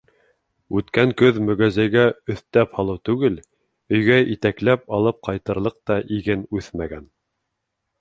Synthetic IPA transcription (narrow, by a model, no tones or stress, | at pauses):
ʉt̪kæŋkɵðmɵ̆ɡæzæjɡæɵ̆θt̪æphɑlˠɤwt̪ʉɡɘl | ɵ̆jɡæjʔit̪æklæpɑlˠɤp̚qɑjt̪ɤ̆ɾlˠɤq̚t̪ɑʔiɡɘnʉθmæɡæn